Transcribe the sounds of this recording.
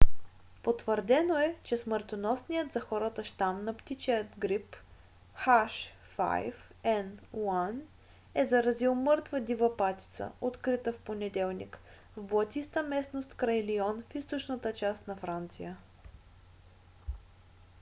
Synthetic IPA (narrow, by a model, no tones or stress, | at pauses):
pot̪vəɾd̪ɛnoɛt͡ʃɛsməɾt̪onɔsnijət̪zɐxɔɾət̪əʃt̪amnɐpt̪it͡ʃɛət̪ɡɾip | xaʃː | a̰jfɛnwan | ɛzɐɾɐzilˠmɤɾt̪vəd̪ʲivəpat̪ʲi̥t̪sə̰ot̪kɾit̪əfponɛd̪ɛlˠnḭk | vboɐt̪ist̪əmɛsnost̪kɾɐjliɔnfist̪ot͡ʃnət̪ət͡ʃast̪nɐfɾant̪sḭjə